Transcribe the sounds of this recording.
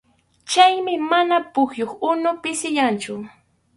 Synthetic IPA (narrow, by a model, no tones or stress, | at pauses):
t͡ʃajmɪmanapʊχjoχʊnʊpɪsɪʎant͡ʃʊ